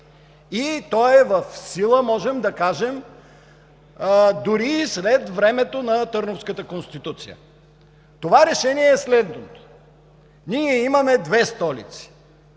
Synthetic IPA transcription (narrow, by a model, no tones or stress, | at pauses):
it̪ɔɛvɐfsilˠəmɔʒɛmd̪ɐkaʒɛm | d̪ʊɾislɛt̪vɾɛmɛt̪onɐt̪ɤɾnofskət̪əkonst̪it̪ut̪sḭjə̰ | t̪ovaɾɛʃɛniɛːslɛd̪not̪o̥ | niɛimɐmɛd̪vɛst̪ɔlḭt̪si̥